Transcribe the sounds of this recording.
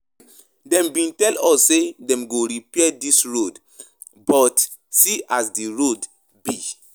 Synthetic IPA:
dɛ̃mbĩntɛlɔsːedɛ̃mɡoɾipɛdisɹod | bɔt | siʔasdiɹod | bi

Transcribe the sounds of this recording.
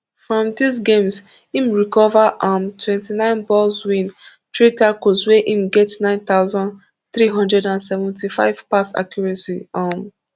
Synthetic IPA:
fɹɔ̃mdisɡẽms | imɹikɔvaʔɔ̃mtwɛ̃ntinãɪ̃nbɔlzwĩn | tɹitakosweʔimɡɛtnãɪ̃nt̪aʊzɔ̃n | θɹiɦɔ̃ndɹɛdãnsɛvɛ̃ntifa̰ɪv̥pasa̰kʰjɔɹɛsḭɔm

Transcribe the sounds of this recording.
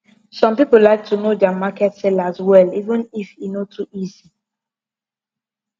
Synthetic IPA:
sɔ̃mpipʊllaɪk̚tʰunodamakɛtsɛlazwɛlivə̃nifinotʰuʔizi

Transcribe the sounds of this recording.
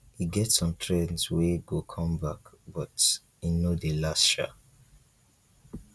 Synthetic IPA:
hiɡɛtsɔ̃mtʰɹɛ̃nzweɡokʰɔ̃mbakbɔt | inodelasʃa̰

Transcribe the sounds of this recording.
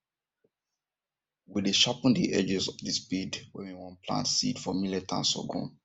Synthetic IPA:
wideʃapə̃ndiʔɛd͡ʒɛsɔfdispidwɛwiwɔ̃npʰlã̰ntsḭdfɔmilɛtʰã̰nsɔ̰ɡɔ̰̃n

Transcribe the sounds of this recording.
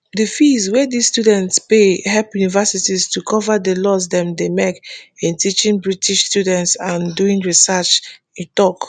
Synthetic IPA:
difizwɛdissːtudɛ̃ntspeɦɛlpjunivɛsitistukʰɔvadəlɔsdɛ̃mdemekĩntit͡ʃĩŋbɹitʰiʃstjudɛ̃ntsãnduĩŋɹisat͡ʃ | ĩntɔk

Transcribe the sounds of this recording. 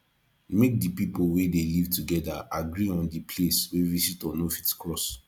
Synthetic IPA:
mek̚dipipolwedelivtuɡɛdaaɡɾiɔ̃ndipʰleswevisitɔ̃nɔfitkɹɔs

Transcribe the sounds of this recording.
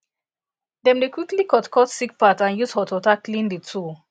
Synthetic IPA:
dɛ̃mdekwiklikɔtkʰɔtsik̚patãnjushɔtɔtaklĩnditʰu

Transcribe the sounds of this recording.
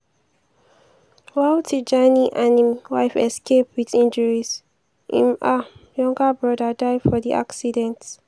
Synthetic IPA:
wawtʰid͡ʒaniʔãnĩmwa̰ɪfɛ̰skep̚wiðĩnd͡ʒəɹis | ʔḭ̃majɔ̃ŋɡəbɹɔdədaɪdfɔðiʔa̰ksidɛ̃nt

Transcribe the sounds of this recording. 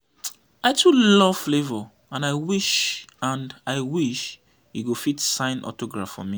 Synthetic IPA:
aɪtʰulɔv̥flevɔ | ãnaɪwiʃãndaɪwiʃ | juɡofitsãɪ̃nɔ̰toɡɹafɔ̰mi

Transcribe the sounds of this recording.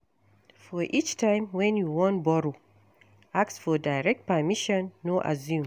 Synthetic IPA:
fɔʔit͡ʃtʰãɪ̃mwɛ̃njuwɔ̃ntbɔɹo | aktsfɔdaɪɹɛk̚t̚pamiʃɔ̃nːoʔa̰zjũm

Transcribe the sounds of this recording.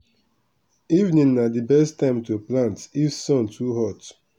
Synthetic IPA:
ivnĩnnadibɛstãɪ̃mtuplãntifsɔ̃ntʰuɦɔt

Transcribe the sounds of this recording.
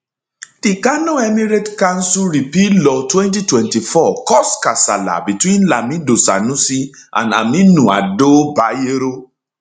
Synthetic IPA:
d̥ikanõɛmiɹetkãnsuɹipilɔtwɛ̃ntitwɛ̃ntifɔkɔskasala̰bitwĩnlamĩdosa̰nũsiã̰na̰mĩnũadobajeɾo

